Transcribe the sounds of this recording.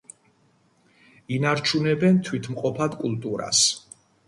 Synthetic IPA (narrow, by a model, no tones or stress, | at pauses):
inaɾt͡ʃʰunɛbɛnt̪ʰwit̪ʰmqʼɔpʰad̪kʼulˠt̪ʼuɾa̰s